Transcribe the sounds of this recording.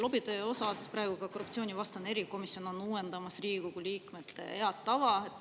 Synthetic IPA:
lo̞bid̪̥eo̞sɑspɾɑeɡ̥uɡ̥ɑko̞rːupt̪sioːnʲivɑst̪ɑne̞ɾiko̞misːjo̞no̞nːuːwe̞nd̪̥ɑmɑsriːɡkoɡ̥uliːkme̞t̪ːˑe̞̰eɑt̪t̪ːɑvɑet̪ː

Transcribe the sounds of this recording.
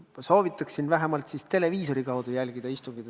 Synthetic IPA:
so̞ːvit̪ːˑɑksinvæɦemɑlt̪sist̪e̞le̞viːso̞ɾikɑwd̪̥ujælʲɡ̥id̪̥ɑist̪uŋɡid̪

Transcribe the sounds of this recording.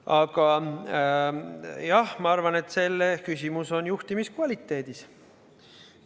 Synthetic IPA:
ɑɡ̥ɑ | jɑhmɑɑrvɑne̞t̪ːˑse̞lːekysʲimuso̞njuht̪imiskvɑlʲit̪ːe̞ːd̪̥is

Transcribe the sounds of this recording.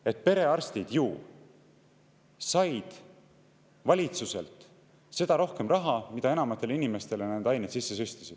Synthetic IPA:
e̞t̪̚pe̞ɾe̞ɑrst̪id̪̥juː | sɑjd̪̥ | vɑlʲit̪suse̞̰lt̪ˑ | se̞d̪̥ɑɾo̞hke̞mrɑɦɑmid̪̥ɑe̞nɑmɑt̪ːˑe̞linime̞st̪e̞lenæd̪̥ɑjnet̪sisːesyst̪i̥sid̪̥

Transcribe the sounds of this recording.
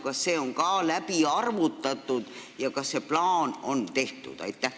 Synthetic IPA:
kɑsːe̞ːo̞ŋkɑːlæpiɑrvut̪ːˑɑt̪ːˑud̪̥jɑkɑsse̞plɑːno̞nt̪e̞ht̪ṵd̪̥ɑ̰jt̪ːæh

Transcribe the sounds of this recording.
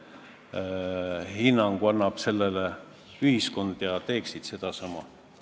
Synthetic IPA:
hinːɑŋɡ̥uɑnːɑb̥se̞lːele | yhisko̞nd̪̥jɑt̪e̞ːksid̪̥se̞d̪̥ɑsɑmɑ̰

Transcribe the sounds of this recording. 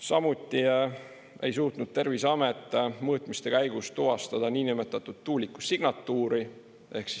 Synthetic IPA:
sɑmut̪ːˑi | e̞̰jsuːt̪nud̪̚t̪e̞rvisɑmet̪ːˑmɤːt̪ˑmist̪e̞kæjɡ̥ust̪uɦɑst̪ɑd̪̥ɑniːnimet̪ːˑɑt̪ːˑud̪̥̚t̪ːuːlikːu̥siɡ̥nɑt̪ːuːɾi | e̞hksi̥s

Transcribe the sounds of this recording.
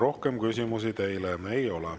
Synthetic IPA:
ɾo̞hke̞mkysʲimus̬it̪e̞jleejo̞lɛ

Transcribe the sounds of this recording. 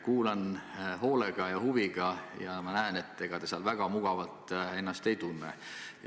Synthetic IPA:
kuːlɑnɦo̞ːleɡ̥ɑjɑhuviɡ̥ɑjɑmɑnæene̞t̪ːe̞ɡ̥ɑt̪esiɑlvæɡ̥ɑmuɡ̥ɑvɑlt̪ˑe̞nːɑst̪e̞jt̪unːɛ̰

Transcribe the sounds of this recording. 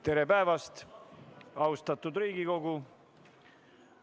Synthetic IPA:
t̪e̞ɾe̞pæevɑst̪ | ɑwst̪ɑt̪ːˑud̪ɾiːɡ̥iko̞ɡu

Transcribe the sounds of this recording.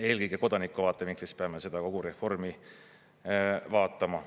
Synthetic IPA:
e̞ːlkɯjɡ̥eko̞d̪̥ɑnikːˑuvɑːt̪ːˑeviŋklispeɑmese̞d̪̥ɑko̞ɡ̥uɾe̞fo̞rmi | vɑːt̪ːˑɑmɑ

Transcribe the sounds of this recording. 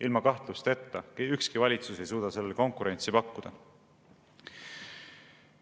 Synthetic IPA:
ʔilmɑkɑht̪lust̪e̞t̪ːɑkykskivɑlʲit̪suse̞jsuːd̪̥ɑse̞lːeko̞ŋkuɾe̞nʲt̪sipɑkˑːud̪̥ɑ̰

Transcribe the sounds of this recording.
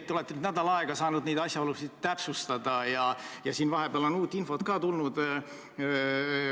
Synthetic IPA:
t̪ːeole̞t̪ːˑenyd̪næd̪ɑlɑe̞ɡ̥ɑsɑːnud̪̥nejd̪̥ɑsjɑolusid̪̥t̪æpsust̪ɑd̪̥ɑjɑjɑsiːnvɑɦe̞b̥eɑlo̞nuːt̪ˑːinfo̞t̪kɑːt̪ulnud̪̥

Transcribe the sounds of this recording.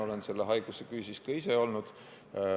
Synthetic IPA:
o̞le̞nse̞lːeɦɑjɡ̥usekyːsiskɑise̞o̞lnud̪̥

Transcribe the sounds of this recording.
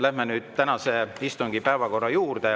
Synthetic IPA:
læhmenyːd̪̥t̪ænɑse̞ist̪uŋɡ̥ipæevɑko̞rːɑjuːrd̪̥e

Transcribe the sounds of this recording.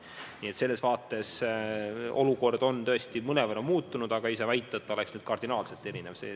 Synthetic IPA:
niːe̞t̪se̞lːe̞svɑːt̪ːˑe̞s | o̞̰luko̞rd̪̥o̞nt̪ɤest̪imɤnevɑnomuːt̪ːˑunud̪ɑɡ̥ɑisevæjt̪ˑːɑt̪ːoleksnyːd̪̥̚kɑrd̪inɑːlselt̪ːˑe̞ɾinevsḛː

